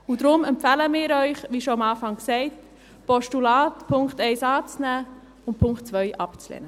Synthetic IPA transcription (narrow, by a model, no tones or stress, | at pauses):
ʊdɾʊmɛmpfɛləmɪːɾœʏχʋiːʃoamɑːfɑŋksɛɪt | pɔʃtulaːtpʰʊŋktɛɪsɑːt͡snæː | ʊnt̚pʰʊŋktt͡sʋœʏʔɑpt͡slɛ̰ːnə